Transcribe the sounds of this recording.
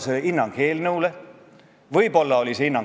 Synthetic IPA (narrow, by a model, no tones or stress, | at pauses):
seinːɑŋɡ̥heːlnɤule | vɤjbo̞lːɑolʲise̞inːɑŋ